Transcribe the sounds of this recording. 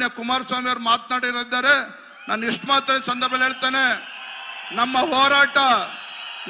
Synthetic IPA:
jɐkumaːɾsʋaːmijɐɾumaːt̪naːɽiɾid̪ːaːɾe̞ | naːniʂʈmaːt̪ɾɐsɐnd̪ɐɾbʱɐlɦeːɭt̪eːne̞ | nɐmːɐɦoːɾaːʈɐ | n

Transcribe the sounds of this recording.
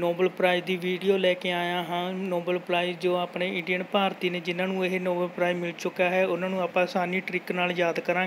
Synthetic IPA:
noːbəlpɾaːid̪iːʋiːɖijoːlɛːkeːaːjãːɦãːnoːbəlpɾaːid͡ʒoːaːpneːɪɳɖijəɳpaːɾt̪iːneːd͡ʒɪnãːnũːeɦenoːbəlpɾaːimɪlt͡ʃʊkːaːɦɛːʊnãːnũːaːpãːsaːniːʈɾɪknaːljaːd̪kəɾãː

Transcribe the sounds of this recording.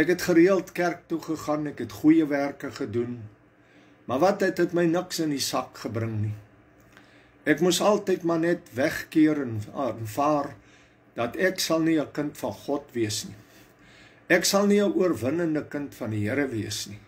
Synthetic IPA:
ɛkɦɛtχəɾiəlˠtkærk̚tuχəχɐnɛkɦɛtχujəværkəχədun | mɐvɐtətɦɛtməjnəksəndisɐkχəbɾəŋni | ɛkmusɐlˠtəjtmɐnɛtvɛχkiəɾənnfɑːr | d̥ɐtɛksɐlˠniəkəntfɐnχɔtviəsni | ɛksɐlˠniəʔuərvənəndəkəntfɐndiɦəɾəviəsni

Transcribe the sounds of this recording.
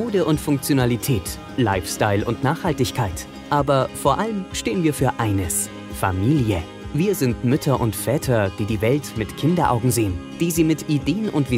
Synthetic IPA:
oːdəʔʊntfʊŋk̚t͡sjonalitʰɛːt | la̰ɪfstaɪlʔʊ̰ntnaːχhaltɪçkʰaɪt | ʔaːbɐfoːɐʔaləmʃteːənviːɐfyːɐʔaɪnəs | fa̰miːljə | viːɐzɪntmʏtʰɐʔʊntfɛːtʰɐd̥iːdiːvɛltmɪtkʰɪndɐʔa̰ʊɡŋ̩zeːən | d̥iːziːmɪtʔideːənʔʊ̰ntv̥i

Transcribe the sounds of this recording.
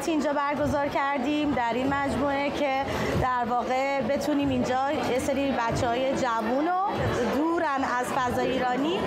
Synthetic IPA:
t̪ʰiind͡ʒɒːbæɾɡo̞zɒːɾcʰæɾd̪imd̪æɾinmæd͡ʒmue̞cʰe̞ | d̪æɾvɒːɣe̞ | be̞t̪ʰuniːmind͡ʒɒː | jeseɾibætt͡ʃʰːɛhɒːje̞d͡ʒævuno | d̪uːɾænæz̥fæzɒːjiːɾɒːniː

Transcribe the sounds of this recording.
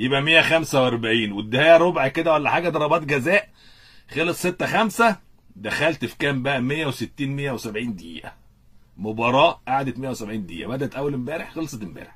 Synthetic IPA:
jebʔæmejːæxæmsæwʔæɾˤbaʕiːnwed̪ːehæjæɾˤobʕaked̪æwælːæħaːɡæd̪ɑɾˤɑbɑːt̪ɡæzæːʔ | xelesˤːet̪ːæxæmsæ | d̪æxælt̪fi̥kæːmbæʔæmejːæweset̪ːiːnmejːæwesæbʕiːnd̪ḭːʔæ̰ | mobɑɾˤɑːʔʔaʕad̪et̪mejːæwesæbʕiːnd̪ḭːʔæ̰bæd̪æt̪ʔæwːælembæːɾeħxɑlsˤɑt̪mbæ̰ːɾeħ

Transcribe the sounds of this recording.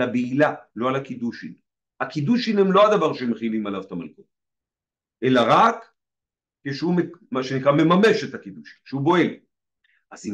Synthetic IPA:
labeilaloalakid̪uʃḭn | hakid̪uʃinemlo̞ad̪avaʁʃemeχilimalavet̪amalkot | ʔe̞laʁakː | eʃeumemaʃenikʁame̞mame̞ʃet̪akid̪uʃi̥nʃeubo̞el | ʔazi

